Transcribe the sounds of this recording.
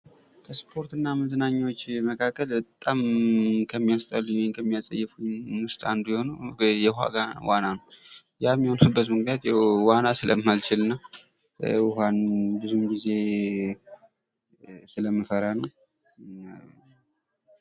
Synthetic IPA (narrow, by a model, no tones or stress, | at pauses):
kʰəspʰo̞ɾt̪ɨnːamɨzɨnaɲːawot͡ʃːməkʰakːəlbət̪ʼamkʰəmːijast̪ʼəlːɨɲwjnkʰəmːijasʼə̰jːɛfuɲwʊst̪ʼand̪ujɛho̞nujɛha̰ɡawananəw | jamːihonubət̪mɨknjat̪jɛwanasɨləmːalt͡ʃɪlɨnːa | ʊhanbɨzumɡize̞ | sɨləmːəfəɾanəw